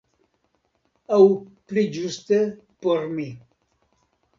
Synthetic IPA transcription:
awplid͡ʒust̪ə | poɾmi

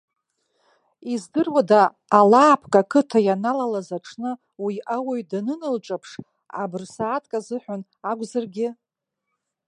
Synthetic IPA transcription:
izdɨrwadaː | laːpʰkʼakʰɨtʰajanalalazaʈ͡ʂʰnɨ | wiawaɥdanɨnɨlʈ͡ʂʼapʰʂ | a̰bɨrsaːtʰʼkʼazɨħʷᶣan | aɡʷzarɡʲɪ

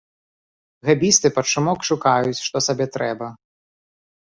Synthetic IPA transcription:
ɣabʲist̪ɨpɐt̪ʂumɔkʂukajut͡sʲʂt̪ɔsabʲɛt̪ɾɛbɐ

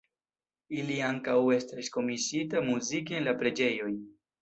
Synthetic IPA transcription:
iliaŋkawe̞stɾisko̞misitamuzikeenlapɾe̞d͡ʒe̞jo̞j

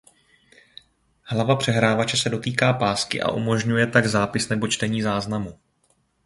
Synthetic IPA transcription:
hlavapr̝̥ɛɦɾaːvat͡ʃɛsɛdo̞t̪iːkaːpaːskɪ̰ʔa̰ʔumo̞ʒɲujɛt̪aɡzaːpɪsnɛbo̞t͡ʃt̪ɛɲiːzaːznamu

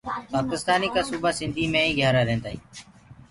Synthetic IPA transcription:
paːkɪst̪aːniːkaːsuːbasɪnd̪ʱiːmẽːĩːɡʱjaːɾaːɾẽːnd̪aːɦiː

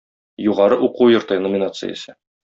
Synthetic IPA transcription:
juʁɑɾɤʔuqujŏɾt̪ɤnomʲɪnat̪sɨ̰jə̰sɤ

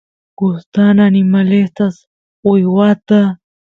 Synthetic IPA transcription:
ɡ̥ʊst̪ananɪmalest̪as | ujwat̪a

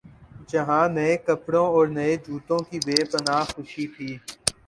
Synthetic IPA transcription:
d͡ʒəɦãːnəẽːkəpɽõːɔːɾnəẽːd͡ʒʱuːt̪õːkiːbeːpənaːɦxʊʃiːt̪ʰiː

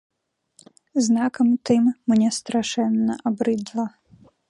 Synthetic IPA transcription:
znakɐmt̪ɨmːnʲɛst̪ɾaʂɛnːɐʔabɾɨd̪lˠɐ

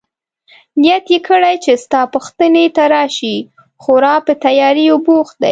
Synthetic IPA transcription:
nijat̪jekʰəɽajt͡ʃest̪ɑpuxt̪ənet̪aɾɑʃi | xoɾɑpət̪ajɑɾiobox̚d̪a̰j

